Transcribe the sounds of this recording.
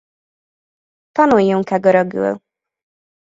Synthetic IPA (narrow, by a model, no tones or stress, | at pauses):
t̪ɒnujːuŋkɛɡøɾøɡy̰l